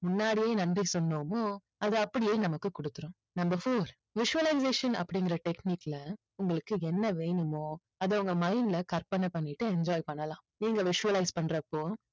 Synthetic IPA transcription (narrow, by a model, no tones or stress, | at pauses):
mʊnːaːɽijeːnɐndrisɔnːoːmoː | ɐðɯɐpːɐɽɪjeːnɐmɐkːɯkːʊɽɯt̪ːɯɾʊ̃ | nɐmbɐɾfoːɾ | ʋɪʂʊʋɐlɐɪs̬eːʂɐnɐ̰pːɐɽɪŋɡɪɾɐʈɛkniːkːlɐ | ʊŋɡɐɭɯkːɯɛnːɐʋeːɳɯmoː | ɐðɐʊŋɡɐmɐɪnlɐkɐɾpɐnɐpɐɳːɪʈːɯɛɲd͡ʒaːjpɐɳːɐlãːniːŋɡɐʋɪʂʊʋɐlɐɪspɐɳːɾɐpːoː